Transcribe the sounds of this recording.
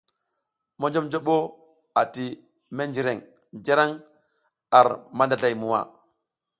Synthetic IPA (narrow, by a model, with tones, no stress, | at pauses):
mo˦nd͡ʒo˦md͡ʒo˦ɓo˦ | a˨ti˨ | me˦nd͡ʒi˨ɾe˨ŋ | d͡ʒa˦ɾa˦ŋ | a˨ɾma˦nda˨ɮa˨jmu˨wa̰˦˨